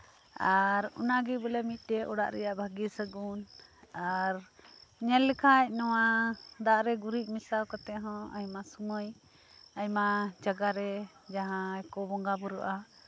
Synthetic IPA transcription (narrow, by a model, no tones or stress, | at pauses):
aɾṵnaɡibəlɛmit̪̚ˀdɛʔɔɽa̰ʔɾɛjaʔbʱaɡisəɡunaɾɲɛlːɛkʰac̚nɔwad̪aʔɾɛɡuɾiʔ̚ˀmisawkat̪ɛɦɔ̃ə̰jmasuməj | ajmad͡ʒaɡaɾɛ | d͡ʒaɦãɛkɔbɔŋɡabɔɾuʔa